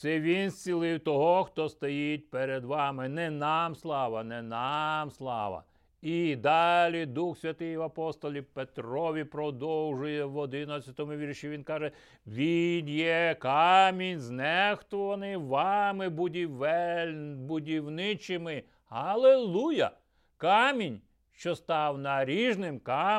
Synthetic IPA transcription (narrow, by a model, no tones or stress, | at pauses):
sɛʋʲinsʲt͡sʲilˠɪwt̪ɔɦɔxt̪ɔst̪ɔjit̚ʲpeɾed̪ʋɑmɪnɛnɑmslˠɑʋɐnɛnɑmslˠɑ̰ʋɐ̰ | id̪ɑlʲid̪uxsʲʋʲɐt̪ɪjʋɐpɔst̪ɔlʲipet̪ɾɔʋʲipɾɔd̪ɔwʒʊjɛʋɔd̪ɪnɐt͡sʲsʲɐt̪ɔmʊʋʲirʃiʋʲinkɑʒɛ | ʋʲinjɛkɑmʲinʲznɛxt̪ɔʋɐnɪjʋɑmɪbʊdʲiʋɛbʊdʲiwnɪt͡ʃɪmɪ | ɦɐlˠelˠujɐ | kɑmʲinʲ | ʃt͡ʃɔst̪ɑwnɐɾʲiʒnɪmkɑ